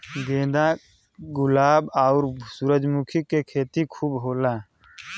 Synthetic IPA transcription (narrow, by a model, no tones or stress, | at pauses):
ɡẽːd̪ã | ɡʊlaːbaʊɾsuːɾəd͡ʒmukʰikekʰeːt̪ikʰuːbɦoːlaː